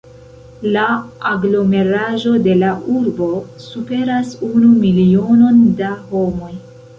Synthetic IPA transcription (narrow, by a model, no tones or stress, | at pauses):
laːɡlo̞me̞ɾaʒo̞de̞laʔuɾbo̞supe̞ɾasunumilio̞no̞ndaho̞mo̞j